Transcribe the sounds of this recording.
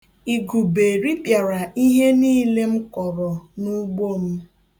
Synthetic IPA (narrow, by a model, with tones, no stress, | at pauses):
i˨ɡu˨be˨ɾi˦pja˨ɾa˨i˦ɦe˦niː˦le˦m̩˦kɔ˨ɾɔ˨nu˦ɡ͡bo˦˨m̩˦